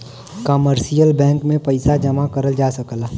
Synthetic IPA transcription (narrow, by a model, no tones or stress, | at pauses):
kəməɾsijəlbɛ̃ːŋkmẽpɐɪsad͡ʒɐmakɐɾəld͡ʒaːsəkla